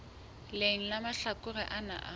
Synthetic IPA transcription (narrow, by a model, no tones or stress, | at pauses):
leŋ̩lamaɬakʼʊrɛʔana̰ʔa